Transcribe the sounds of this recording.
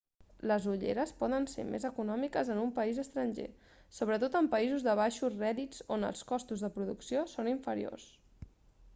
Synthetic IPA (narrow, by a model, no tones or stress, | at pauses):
ləzuʎḛɾəspɔðənsḛmḛzəkunɔmikəzənumpəizəst̪ɾənʲʒḛ | soβ̞ɾət̪ot̪əmpəizuzðəβ̞aʃurɛðid͡zonə̰lˠskɔst̪uzðəpɾuðuksiosoniɱfəɾḭo̰s